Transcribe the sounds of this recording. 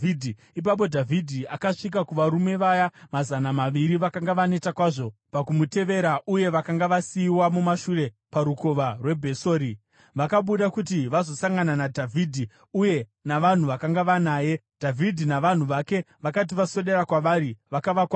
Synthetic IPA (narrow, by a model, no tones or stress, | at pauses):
idʱi | ip̬ap̬o̞dʱavʱidʱiakaʂik̬akuʋaɾume̞ʋajamazanamaʋiɾiʋakaŋɡaʋane̞takwaʐo̞pakumute̞ʋe̞ɾaʔuje̞ʋakaŋɡaʋasiːwamumaʃure̞ | paɾuko̞ʋarwe̞bʱe̞so̞ːɾi | ʋakaɓuɗakutiʋazo̞saŋɡananadʱavʱiːdʱi | uje̞naʋan̤uʋakaŋɡaʋanaːje̞d̥ʱavʱidʱinaʋan̤uʋake̞ | ʋakat̬iʋaso̞ɗe̞ɾakwaʋaɾiʋakaʋakwa